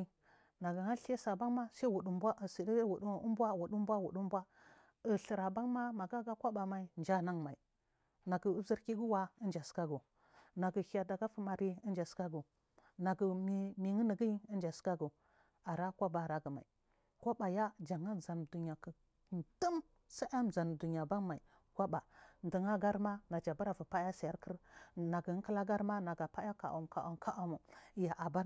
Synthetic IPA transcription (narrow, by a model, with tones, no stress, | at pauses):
na˨ɡə˨ha˦ɬe˦sa˨ba˦ŋma˦sa˦wu˨ɗu˨m˦bʷa˦ʔə˨si˨di˦wu˨ɗm˦bʷa˦wu˨ɗu˦m˦bʷa˦wu˨ɗu˦m˦bwa˦ | ə˨ɬə˨ɾa˨ba˦ŋma˦ma˨ɡa˦ɡa˦kʷa˦ba˨ma˨i˦˨nd͡ʒa˦na˦ŋma˨ḭ˨ | na˨ɡə˨u˦zə˦ɾki˦ɡu˦wa˦ə˦nd͡ʒa˨ska˦ɡu˨ | na˨ɡə˨ha˨da˨ɡa˦fə˦ma˨ɾi˦ə˦n˦d͡ʒa˨ska˦ɡu˨ | na˨ɡə˨m˦mi˨ŋə˦nə˨ɡi˦i˦ə˦nd͡ʒa˨ska˦ɡu˨ | a˨ɾa˦kʷa˦ba˨ɾa˦ɡə˨ma̰˨i˨ | ko˦ba˨ja˦d͡ʒa˨ŋa˦za˨n˨du˨ɲa˨kə˨ | tə˦m | sa˦a˦m˨za˨n˨du˨ɲa˨ba˦n˦ma˨i˨ | kʷa˦ba˨n˦də˨ŋa˦ɡa˦ɾma˦na˨d͡ʒa˨ba˦ɾa˨vu˨pa˦a˦sa˨ja˦ɾkə˦ɾna˨ɡə˨˦kə˦la˦ɡa˦ɾma˦na˨ɡa˨pa˦a˦ka̰˨ʔṵ˨m˨ka˨ʔa˨m˨ka˦a˦mu˨˦ja˨ʔa˨ba˦